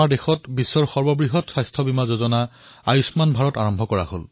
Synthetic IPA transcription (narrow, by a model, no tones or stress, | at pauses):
aɹdexɔtbisːɔɹxɔɹbɔbɹiɦɔtsajstʰɔbimazozɔna | a̰jusmanbʱaɹɔtaɹɔmbʱɔkɔɹa̰ho̰l